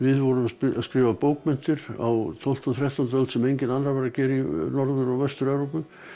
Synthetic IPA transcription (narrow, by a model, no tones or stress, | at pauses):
vɪðvɔɾʏmaaskɾɪːvapoːwkmɛn̥t̪ɪɾa̰wt̪ʰɔl̥t̪ʰunθɾɛht̪ant̪œlt̪sɛmejɲcɪnanɾavɛɾrːacɛːɾinɔɾðʏɾawvɛst̪ʏɾɛvɾowpʏ